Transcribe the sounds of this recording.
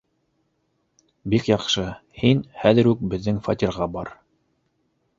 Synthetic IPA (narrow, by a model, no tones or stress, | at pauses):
bikjɑqʃɤhinhæðɘɾʉk̚bɘ̆ðːɘŋfɑt̪ʲiɾʁɑbɑɾ